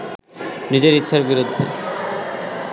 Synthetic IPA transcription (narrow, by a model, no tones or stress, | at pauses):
nid͡ʑeɾit̪ːɕʰaɾbiɾod̪ʱːḛ